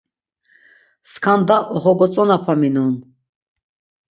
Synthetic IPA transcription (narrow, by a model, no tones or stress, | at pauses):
skʰand̪aʔɔχɔɡɔt͡sʼɔnapʰaminun